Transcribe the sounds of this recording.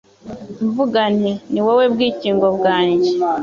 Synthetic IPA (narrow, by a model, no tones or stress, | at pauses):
ɱvuɡaneniwowe̞bɡiːciːŋɡo̞βɡaːɲɟe